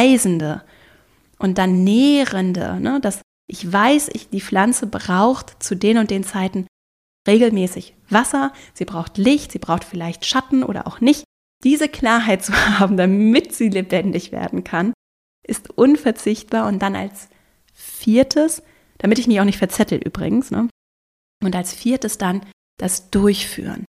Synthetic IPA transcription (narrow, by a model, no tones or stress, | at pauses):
ɪzn̩də | ʔʊntd̥anːɛːʁəndə̰nəd̥as | ʔɪçv̥aɪsɪ̰çd̥iːflant͡səbʁaʊxtt͡sudeːnʊnt̚d̥eːnt͡saɪtn̩ | ʁeːɡl̩mɛːsɪç | v̥asɐz̥iːbʁaʊxtlɪçtz̥iːbʁaʊxtfɪlaɪçtʃatn̩ʔo̰ːɾɐ̰ʔa̰ʊxnɪçt | d̥iːzəkl̥aːɐɦaɪt̚t͡suhaːbm̩damɪtz̥iːlebɛndɪçv̥ḛːɐdn̩kʰan | ʔɪstʔʊnfɛɐt͡sɪçt̚b̥aːɐʊnt̚d̥ana̰ls | fiːɐtʰəs | d̥amɪtɪçmɪçaʊxnɪçtfɛɐt͡sɛtl̩ʔy̰ːbʁɪ̰ɡŋ̩snə̰ | ʔʊntalsfiːɐtəsd̥an | d̥asd̥ʊɐçfy̰ːʁə̰n